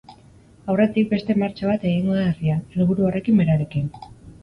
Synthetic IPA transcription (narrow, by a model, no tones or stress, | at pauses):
awre̞t̪ik̚be̞st̪e̞maɾt͡ʃaβat̪e̞ɣiŋɡoðariaelβuɾuore̞kimbe̞ɾaɾe̞kin